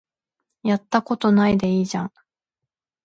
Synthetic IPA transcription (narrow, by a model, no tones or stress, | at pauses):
jat̪ːako̞t̪o̞naid̪e̞iːʑãŋ